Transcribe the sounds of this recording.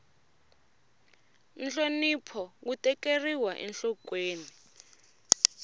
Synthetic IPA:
n̩ɬonipʰɔk̬utɛkeriwaʔɛ̰nɬɔkweːni

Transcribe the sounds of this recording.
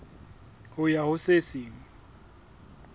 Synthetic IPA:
hʊjahʊsesiːŋɔ

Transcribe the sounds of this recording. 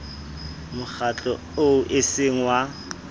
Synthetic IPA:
mʊk͡xat͡ɬʼɔ̰ | oʔɪseŋ̩wa

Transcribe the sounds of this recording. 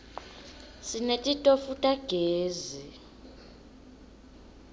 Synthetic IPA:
sinetʼitʼofutʼaɡ̥ʱeːzi

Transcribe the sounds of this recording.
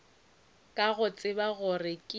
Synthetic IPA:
kʼaɣʊt͡sʼɪbaɣʊrɪkʼi

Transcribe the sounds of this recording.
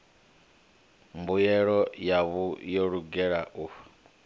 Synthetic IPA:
mbujɛɺɔjaβujoɺuɡɛɺaʔu

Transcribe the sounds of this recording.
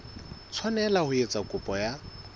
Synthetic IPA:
t͡sʰwanɛlahʊet͡sʼakʼʊpʼɔja

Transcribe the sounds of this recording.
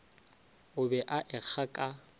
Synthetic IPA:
ʊbɛʔaʔɪk͡xʰakʼa

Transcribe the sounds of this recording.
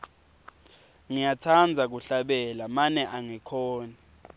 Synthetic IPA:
ŋijatʰand͡zʱak̬uɬaɓɛlamanɛʔaŋikʰɔːna

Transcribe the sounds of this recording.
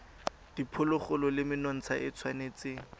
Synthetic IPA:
d̥ipʰʊlʊχʊlɔlɪmɪnɔn̩t͡sʰaʔɪt͡sʰwaneːt͡sɪ

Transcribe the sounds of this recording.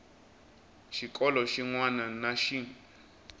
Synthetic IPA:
ʃikʼɔlɔʃiŋwananaʃi

